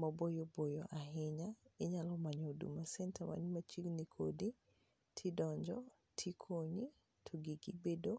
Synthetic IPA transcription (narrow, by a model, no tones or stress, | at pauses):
mabojobojoʔaɦɪɲaɪɲalɔmaɲodṵmasɛntamʔa̰nmat͡ʃiɡnikʰodi | tʰidɔɲd͡ʒɔ | tʰikʰoɲi | tʰɔɡiɡibedo